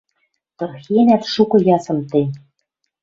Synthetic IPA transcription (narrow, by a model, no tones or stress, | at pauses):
t̪ɤ̆rxenæt̪ʃukɤ̆jɑsɤ̆mt̪ej